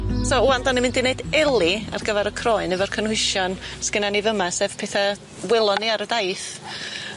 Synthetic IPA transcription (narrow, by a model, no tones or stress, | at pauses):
souandanimɨ̃ndineɨdɛlˠia̰rɡəvɛɾəkʰrɔɨnɨvɔr̥kʰənhɪʃɔnsɡ̥ənanivəmasɛv̥pʰɛːθa | wɪlˠɔniaɾədajθ